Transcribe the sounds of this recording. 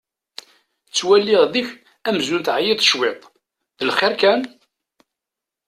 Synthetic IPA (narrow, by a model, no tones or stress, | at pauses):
t͡sːwælːiʁðiç | æmzunθʕjit̪ˤʃwɪt̪ˤ | ðəlχɪɾkæn